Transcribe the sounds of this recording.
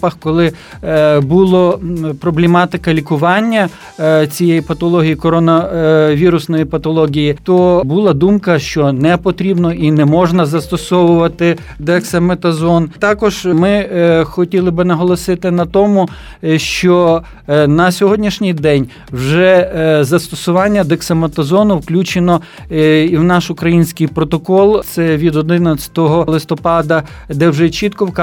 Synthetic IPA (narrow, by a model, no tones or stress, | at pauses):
pɐxkɔlˠɪ | bulˠɔpɾɔblʲemɑt̪ɪkɐlʲikʊʋɑnʲːɐ | t͡sʲijɛjipɐt̪ɔlˠɔɦʲijikɔɾɔnɐʋʲiɾʊsnɔjipɐt̪ɔlˠɔɦʲijit̪ɔbulˠɑd̪umkɐʃt͡ʃɔnɛpɔt̪ɾʲibnɔʔinɛmɔʒnɐzɐst̪ɔsɔʋʊʋɐt̪ɪ | d̪ɛɐksɐmet̪ɐzɔnt̪ɑkɔʒ̥mɪxɔtʲilˠɪbɪnɐɦɔlˠɔsɪt̪ɪnɐt̪ɔmʊ | ʃt͡ʃɔ | nɐsʲɔɦɔdʲnʲiʃnʲijd̪ɛnʲ | wʒɛzɐst̪ɔsʊʋɑnʲːɐd̪eksɐmet̪ɐzɔnʊwklʲut͡ʃenɔ | iwnɑʃʊkɾɐjinʲsʲkɪjpɾɔt̪ɔkɔlˠt̪sɛʋʲid̪ɔd̪ɪnɐt͡sʲɐ̥t̪ɔɦɔlˠɪst̪ɔpɑd̪ɐ | d̪ɛwʒɛt͡ʃit̪kɔwk